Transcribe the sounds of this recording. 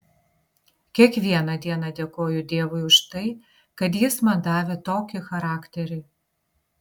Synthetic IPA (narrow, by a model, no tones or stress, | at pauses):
kʲiɛkʋʲiɛnɐd̪ʲiɛnɐd̪ʲɛkoːjʊd̪ʲeɛʋʊɪʊʃt̪ɐɪ | kɐt̪̬jɪsmɐnd̪ɑːʋʲet̪oːkʲɪxɐɾɑːkt̪ʲɛɾʲɪ